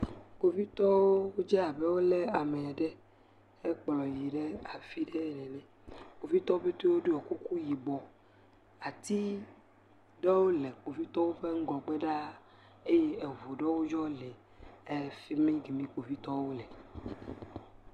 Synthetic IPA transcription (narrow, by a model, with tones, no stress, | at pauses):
k͡po˨vi˦t̪ɔ˦wo˦o˦d͡ʒɛ˦a˨bɛ˦wo˦le˦a˨me˨a˨ɖɛ˦ | ɛ˦k͡plɔ˨ji˨ɖe˦a˨fi˦ɖɛ˦˨nɛ˨nɛ̃˨ | k͡po˨vi˦t̪ɔ˦o˦be˦t̪wo˦ɖu˦ɔ˨ku˦ku˦ji˨bɔ˨ | a˨t̪i˦ | ɖe˦wo˦lɛ˨k͡po˨vi˦t̪ɔ˦wo˦ɸe˦ŋ̩˦ɡlɔ˨k͡pe˦ɖa˦ | e˦je˦e˨vo˨ɖe˦wo˦d͡ʒɔ˦lɛ˨ | e˦fi˦mẽ˦ɡi˨mĩ˦k͡po˨vi˦t̪ɔ˦wo˦lɛ˨